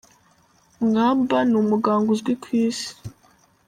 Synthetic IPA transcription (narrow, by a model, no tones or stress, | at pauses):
ŋaːmbanumuɡaːŋɡuzɡwikwiːsi̥